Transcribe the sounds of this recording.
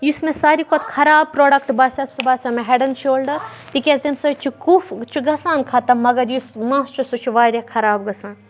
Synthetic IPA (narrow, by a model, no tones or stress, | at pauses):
jusmesaːɾikʰot̪ʰkʰɐɾaːb̚pɾoːɖɐkʈbaːsʲɐsubaːsʲameɦeɖɐnt͡ʃʰoːlɖɐ | t̪ikʲezemsɐt͡ʃʰukuft͡ʃʰuɡɐsaːnkʰɐt̪ɐmɐɡɐɾjusmãːst͡ʃʰusut͡ʃʰuʋaːɾʲekʰɐɾaːbɡɐsaːn